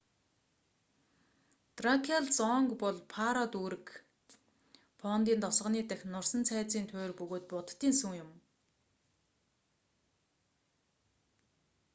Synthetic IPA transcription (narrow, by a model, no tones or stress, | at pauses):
t̪rakʰaɮt͡sɔŋkpɔɮpʰaɾɔt̪uːɾɘ̆k | pʰɔnt̪iːnt̪ɔsʁə̆niːt̪æxʲnʊr̥sə̆nt͡sʰæːt͡siːnt̪ʰʊːrpɵɣoːt̪̚pʊt̪t̪iːnsɵŋjʊm